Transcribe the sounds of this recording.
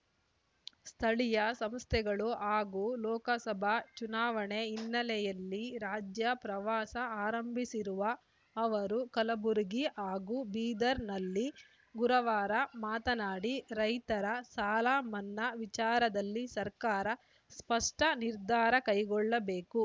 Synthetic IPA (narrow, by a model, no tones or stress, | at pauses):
st̪ʰɐɭijɐsɐmst̪ʰɛɡɐɭuʔaːɡulɔːkɐsɐbʱɐt͡ʃunaːʋɐɳe̞inːɐlɛjɐlːiɾaːd͡ʒjɐpɾɐʋaːsɐaːɾɐmbʱisiɾuʋɐː | ʋɐɾukɐlɐbuɾuɡiʔaːɡubiːd̪ɐɾnɐlːi | ɡuɾɐʋaːɾɐmaːt̪ɐnaːɽiɾɐjt̪ɐɾɐsaːlaːmɐnːɐʋit͡ʃaːɾɐd̪ɐlːisɐɾkaːɾɐ | spɐʂʈɐniɾd̪ʱaːɾɐkɐjɡɔɭːɐbe̞ːku